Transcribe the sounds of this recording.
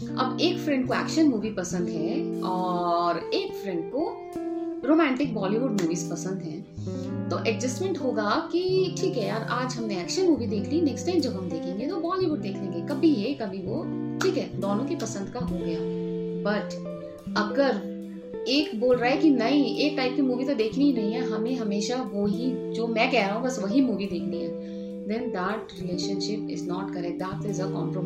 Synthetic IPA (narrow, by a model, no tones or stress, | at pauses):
ɐ̰beːkfɾɛ̃ɳɖ̚koɛ̰ːkʃənmuːʋipɐsə̃nd̪ɦɛɔːɾeːkfɾɛ̃ɳɖko | ɾoːmɛ̃ːɳʈɪk̚bɔːliʋʊɖmuːʋiːzpɐsə̃nd̪ɦɛ̃ː | t̪oʔɛkd͡ʒɪsmẽɳʈɦoːɡakiʈʰiːkɦɛjaːɾʔaːd͡ʒɦɐmneɛːkʃənmuːʋid̪eːkʰlinɛksʈãːɪmd͡ʒɐbʱɦɐmd̪eːkʰẽŋɡet̪obɔːliʋʊɖ̚d̪eːkʰnẽːŋɡekɐbʱijekɐbʱiʋoʈʰiːkɦɛːd̪oːnõkepɐsə̃nd̪kaɦoɡɐjaːbɐʈ | ɐɡəɾ | eːkboːlɾaːɦɛkinɐɦĩeːk̚ʈaːɪp̚kimuːʋit̪od̪eːkʰniinɐɦĩɦɛɦɐmẽɦɐmeːʃaʋoɦid͡ʒoːmɛ̃ːkɛɦɾaːɦũbɐsʋɐɦimuːʋid̪eːkʰliɛ̃ː | d̪ɛ̃nd̪æʈɾɪleːʃənʃɪpɪ̰znɔːʈkɐɾɛk̚ʈ̚d̪aːt̪ɪzəkɔ̰ːmpɾom